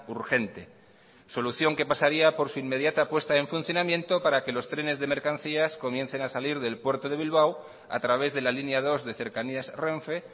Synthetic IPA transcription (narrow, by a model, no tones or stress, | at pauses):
uɾxe̞nt̪e̞ | so̞luθjo̞ŋke̞pasaɾiapo̞ɾsuimːe̞ðjat̪apwe̞st̪ae̞ɱfun̟θjonamje̞nt̪o̞paɾake̞lo̞st̪ɾe̞ne̞zðe̞me̞ɾkan̟θiasko̞mjẽ̞nθe̞nasaliɾðe̞lpwe̞ɾt̪o̞ðe̞β̞ilβ̞aw | a̰t̪ɾaβ̞e̞zðe̞lalinjaðo̞zðe̞θe̞ɾkaniasreɱfe̞